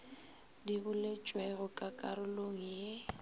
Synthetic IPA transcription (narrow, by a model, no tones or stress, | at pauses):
dibʊlet͡ʃʼweɣʊkʼakʼaɾʊloŋ̩je